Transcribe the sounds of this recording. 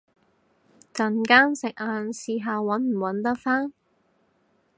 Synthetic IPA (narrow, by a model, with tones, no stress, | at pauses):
kɐ˨˧nkaː˥ŋsɪ˨k̚ʔaː˨nsiː˨˧ɦaː˨˧wwɐ˨˥nm̩˨˩wɐ˨˥nt̪ɐ˥k̚faː˥n